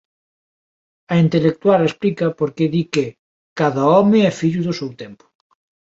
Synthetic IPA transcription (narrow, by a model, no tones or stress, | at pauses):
ɐint̪elek̚t̪walesplikɐpoɾkeðike | kaðɐɔmɪɛfiʎuðʊsewt̪ɛmpʊ̥